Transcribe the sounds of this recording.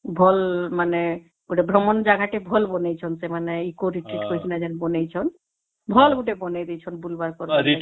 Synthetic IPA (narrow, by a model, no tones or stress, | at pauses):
bʱɔlmane | ɡuʈebʱɾɔmɔnd͡ʒaɡʱaʈebʱɔlbɔnejt͡ʃʰɔnsemaneikoɾiʈɾiʈkoɾit͡ʃʰinad͡ʒɛnbɔnejt͡ʃʰɔn | bʱɔlɡuʈebɔned̪ejt͡ʃʰɔnbulbaɾkɔɾɾi